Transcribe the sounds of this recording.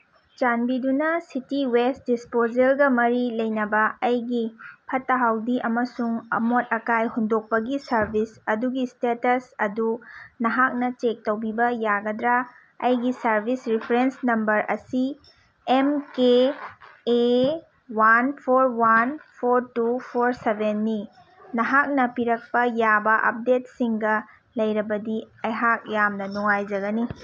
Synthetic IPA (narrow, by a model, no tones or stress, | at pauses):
t͡ʃanbidunɐsitiwest̚dispod͡ʒelɡɐmɐɾilɐjnɐbɐɐjɡipʰɐtːɐɦawdiʔɐmɐsuŋɐ̰mot̚ɐkajhondok̚pɐɡisɐɾbʱisɐduɡistetɐsɐdunɐɦak̚nɐt͡ʃek̚tɐwbibɐjaɡɐdɾa | ɐ̰jɡisɐɾbʱisɾipʰɐɾensnɐmbɐɾʔɐ̰si | emkeː | wanpʰoɾwanpʰoɾtupʰoɾsebʱenːi | nɐɦak̚nɐpiɾɐk̚pɐjabɐʔɐ̰p̚det̚siŋɡɐ | lɐjɾɐbɐdiɐjɦak̚jamnɐnuŋajd͡ʒɐɡɐni